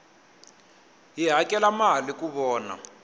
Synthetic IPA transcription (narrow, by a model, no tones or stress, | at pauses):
ɦiɦakʼɛlamalikuβɔːna̰